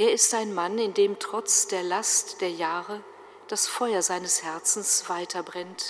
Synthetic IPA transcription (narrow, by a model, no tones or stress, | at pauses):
ʔeːɐɪstaɪnmanɪndeːmtʁ̥ɔt͡sd̥eːɐlastd̥eːɐjaːʁə | d̥asfɔʏɐzaɪnəshɛɐt͡sn̩sv̥aɪtʰɐbʁɛnt